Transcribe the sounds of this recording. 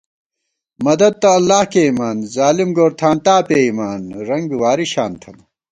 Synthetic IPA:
mɐd̪ɐd̪̚t̪ɐɐlːaːhkeimaːnzaːlimɡoːɾt̪ʰaːnt̪aːpeːimaːnɾɐŋɡwaːɾiɕaːnt̪ʰɐn

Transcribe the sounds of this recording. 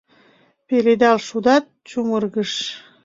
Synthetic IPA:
peled̪ɑlʃud̪ɑt̪̚t͡ɕumərɣəʃ

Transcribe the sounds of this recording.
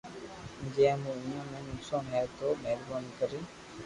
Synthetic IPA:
d͡ʒẽːmũːʊɲãːmẽːnʊksãːnɦɛːt̪oːmeːlbaːnkəɾĩː

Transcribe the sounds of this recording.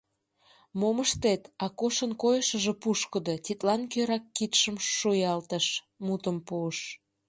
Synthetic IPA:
moməʃt̪et̪ɑkoʃənkojəʃə̆ʒĕpuʃkə̆d̪ot̪ʲit̪lɑnkøɾɑkːit̪ʃəmʃujɑlt̪əʃ | mut̪əmpuəʃ

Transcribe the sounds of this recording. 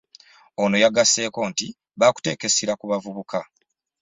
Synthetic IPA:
ono̞jaɡase̞ːko̞ːnti | βaːku̥te̞ːke̞siɾakuβavuβukʰa

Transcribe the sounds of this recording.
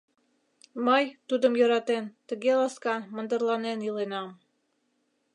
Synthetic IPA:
məjt̪ud̪ə̆mjɤ̆ɾɑt̪ent̪ə̆ɣelɑskɑnmə̆nd̪ə̆rlɑnenilenɑm

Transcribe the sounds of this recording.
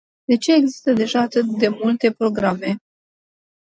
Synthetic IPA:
d̪e̞t͡ʃe̞ːɡzi̥st̪əd̪e̞ʒaːt̪ɨt̪̚d̪e̞mult̪e̞pɾo̞ɡɾame̞

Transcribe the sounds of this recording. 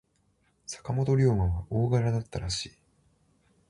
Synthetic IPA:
sḁkamo̞t̪o̞ɾʲoːmãβaʔo̞ːɡaɾad̪at̪ːaɾaɕiː

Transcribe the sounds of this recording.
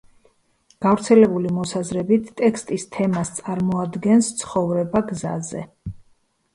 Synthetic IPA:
ɡ̥avɾt̪sʰɛlɛbulimɔsazɾɛbit̪ʰt̪ʼːɛkst̪ʼist̪ʰɛmast̪sʼaɾmɔad̪ɡɛnst̪sʰχɔvɾɛbaɡza̰zɛ̰

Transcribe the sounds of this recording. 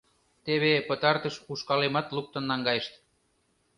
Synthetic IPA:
t̪eβepət̪ɑrt̪əʃuʃkɑlemɑt̪luk̚t̪ə̆nːɑŋɡɑjəʃt̪

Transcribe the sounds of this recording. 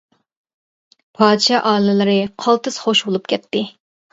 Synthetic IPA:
pʰɑːd̪ʃɑʔɑːlɨlˠɨɾɨqʰɑlˠt̪ɨsχoʃbolˠupkʲɛt̪ʰːɪ

